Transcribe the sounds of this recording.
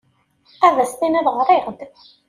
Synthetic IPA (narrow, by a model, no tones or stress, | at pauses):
ævæst̪inæðʁɾˤeʁd̪